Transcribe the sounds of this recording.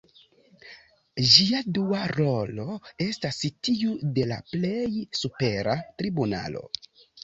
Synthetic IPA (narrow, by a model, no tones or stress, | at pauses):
d͡ʒiaduaɾo̞lo̞e̞stasitiude̞la̰ple̞jsupe̞ɾatɾibuna̰lo̞̰